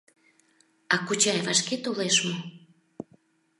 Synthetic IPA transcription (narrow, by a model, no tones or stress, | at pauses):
ɑkut͡ɕɑjvɑʃket̪oleʃmo